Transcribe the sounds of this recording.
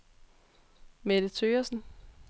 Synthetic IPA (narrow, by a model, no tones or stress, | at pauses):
med̥ət͡sʰøːɐsn̩